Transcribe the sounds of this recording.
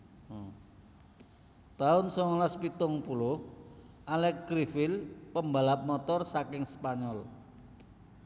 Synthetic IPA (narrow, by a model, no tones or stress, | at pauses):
t̪aʊnsɔŋɔlaspit̪ʊŋpulʊh | ʔalɛkkɾifɪlpəmbalap̚mɔt̪ɔrsakɪŋspaɲɔl